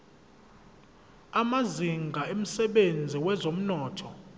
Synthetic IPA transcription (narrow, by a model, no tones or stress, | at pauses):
amaziŋɡʱaem̩sɛɓend͡zʱiwɛzom̩nɔːtʰɔ